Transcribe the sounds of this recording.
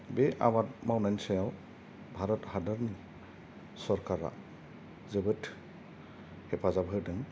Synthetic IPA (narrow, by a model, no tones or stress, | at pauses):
beʔa̰watmawnajnsajaw | bʱaɾɔthadəɾni | sɔɾkaɾa̰ | zɯbɯtʰ | hepʰazabʱɯdɯŋ